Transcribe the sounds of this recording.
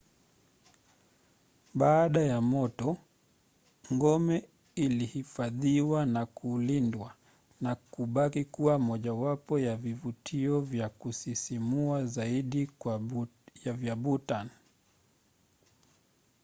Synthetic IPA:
ɓaːɗajamɔtɔ | ŋɡɔmɛ | ilihifaðiwanakulindwa | nakuɓakikuwamɔʄawapɔjavivutʰiɔvjakusisimuazaiɗikwjavjaɓutan

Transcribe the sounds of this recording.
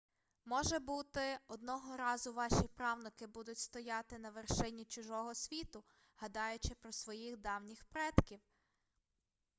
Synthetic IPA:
mɔʒɛbut̪ɪɔd̪nɔɦɔɾɑzʊʋɑʃipɾɑwnɪkɪbud̪ʊtʲst̪ɔjɑt̪ɪnɐʋerʃɪnʲːit͡ʃʊʒɔɦɔsʲʋʲit̪ʊ | hɐd̪ɑjʊt͡ʃɪpɾɔsʋɔjixd̪ɑwnʲixpɾɛt̪kʲiw

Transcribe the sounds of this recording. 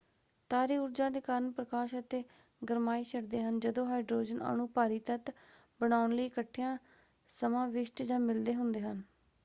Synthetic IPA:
t̪aːɾiːʊɾd͡ʒãːd̪eːkaːɾəɳpɾəkaːʃət̪eː | ɡəɾmaːiːʃəɽd̪eːɦənd͡ʒəd̪õːɦaːɪɖɾoːd͡ʒəna̰ːnũːpaːɾiːt̪ət̪ | bəɽaːʊnləiːɪkəʈʰːijãː | səmãːʋɪʃʈd͡ʒãːmɪld̪eːɦʊnd̪eːɦən

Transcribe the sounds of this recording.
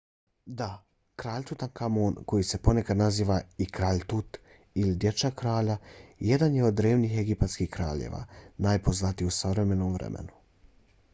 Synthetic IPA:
d̪a | kɾaːʎʲt̪ut̪ankʰamoːnko̞jise̞po̞ne̞kad̪naziːʋaikɾaːʎt̪ut̪ | ilid̪je̞t͡ʃakɾaːʎaje̞d̪anjeo̞d̪ːɾe̞ːʋniːxeɡipat̪skiːhkɾaːʎḛːʋa̰ːnajpo̞znat̪iusaɾe̞me̞noːmvɾḛmʔḛnu̥

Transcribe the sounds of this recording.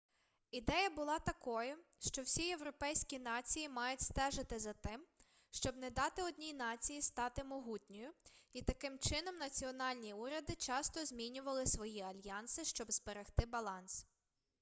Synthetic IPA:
id̪ɛjɐbʊlˠɑt̪ɐkɔjʊʃt͡ʃɔwsʲije̞wɾɔpɛjsʲkʲinɑt͡sʲijimɑjʊtʲst̪ɛʒɪt̪ɪzɐt̪ɪm | ʃt͡ʃɔbnɛd̪ɑt̪ɪɔd̪ʲnʲijnɑt͡sʲijist̪ɑt̪ɪmɔɦut̪ʲnʲɔjʊit̪ɐkɪmt͡ʃɪnɔmnɐt͡sʲiɔnɑlʲnʲiuɾʲɐd̪ɪt͡ʃɑst̪ɔzʲmʲinʲʊʋɐlˠɪsʋɔjiɐlʲjɑnsɪʃt͡ʃɔbzbeɾext̪ɪbɐlˠɑns

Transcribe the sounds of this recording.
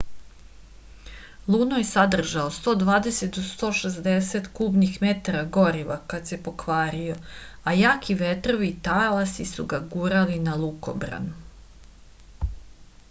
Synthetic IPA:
lˠuːnojesad̪r̩ʒaost̪o̞ːd̪ʋaːd̪e̞se̞t̪̚d̪ost̪o̞ːʃezd̪eset̪kuːbnixmet̪aɾaɡo̞ɾiʋakat̪sepo̞kʋaːɾio̞ajaːkʰiʋet̪ɾo̞ʋiːt̪alasisuɡaɡuːɾalinalˠuko̞̰bɾa̰nu

